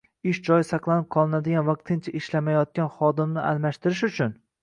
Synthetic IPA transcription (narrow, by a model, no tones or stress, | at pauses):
ɪʃd͡ʒɒjɪsɑqlˠanɪp̚qʰɒlˠɪnad̪ɪɡʲanvɑq̚t̪ʰɪnt͡ʃʰaʔɪʃlamajɒt̪̚kʲanχɒd̪ɪmnɪʔa̰lmaʃt̪ɪɾɪʃʊt͡ʃʰʊn